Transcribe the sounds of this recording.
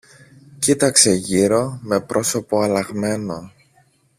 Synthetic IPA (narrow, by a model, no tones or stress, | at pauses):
cit̪ɐkse̞ʝiɾo̞me̞pɾʔo̞so̞po̞ɐlɐɣme̞no̞